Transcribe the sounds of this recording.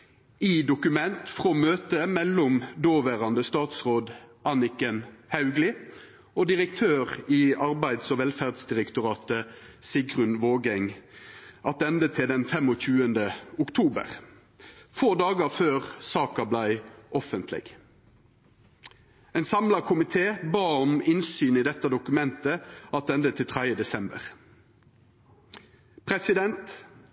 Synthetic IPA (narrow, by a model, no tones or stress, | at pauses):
ɪd̪ʊkʉmɛnt̪fʁoːmøːt̪əmɛlːʊmd̪oːʋæːʁɑnd̪əst̪ɑːt̪sʁoːd̪ɑnɪkənhɑʉɡlɪ | ɔd̪ɪʁəkt̪ʰøːʁɪɑʁbæɪd̪sɔʋɛlfæʁd̪sd̪ɪʁəkt̪ʊʁɑːt̪əsɪɡʁʉnʋoːɡɛŋ | ʔɑt̪ɛnd̪ət̪ʰɪld̪ɛnfɛmɔc͡çʉːənd̪əʊkt̪ʰuːbə̰ʁ | foːd̪ɑːɡɑføːʁsɑːkɑblæɪɔfənt̪ʰlɪ̰ɡ̥ | ɛɪnsɑmlɑkʰʊmɪt̪ʰeːbɑːɔmɪnsyːnɪd̪ɛt̪ːəd̪ʊkʉmɛnt̪əɑt̪̚d̪ɛnd̪ət̪ʰɪlt̪ʰʁæɪəd̪ɛsɛmbə̰ʁ | pʰʁɛsɪd̪ɛnt̪